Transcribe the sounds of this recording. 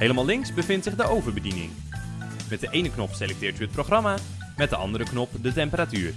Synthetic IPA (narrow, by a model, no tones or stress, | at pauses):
ɦejləmalɪŋksbəvɪntsɪχdəowvəɹbədinɪ̰ŋ | mɛt̚dəʔejnəknɔpselɛk̚tɪːɹtyɦət̚proχrɑma | mɛt̚dəʔɑ̰ndəɾəknɔpdətɛmpəɾatyːɹ